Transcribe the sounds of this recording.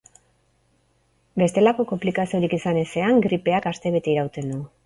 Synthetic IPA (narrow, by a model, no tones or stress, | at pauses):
be̞st̪e̞lako̞ko̞mplikasio̞ɾikisane̞se̞aŋɡɾipe̞akast̪e̞βe̞t̪e̞iɾawt̪e̞nd̪u